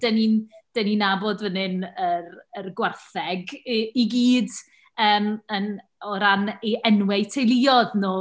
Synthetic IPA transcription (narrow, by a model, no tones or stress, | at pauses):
d̥ənind̥əninaboːdvənɪnərərɡwarθɛɡiɡiːd | əːmən | ɔɾaniʔɛnwɛtʰejlˠɪɔðnoː